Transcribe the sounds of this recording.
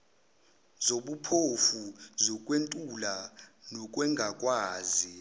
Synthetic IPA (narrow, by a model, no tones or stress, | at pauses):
zoɓupʰofuzɔkʼwentʼulanɔk̬ʼwɛŋɡʱakʼwaːzi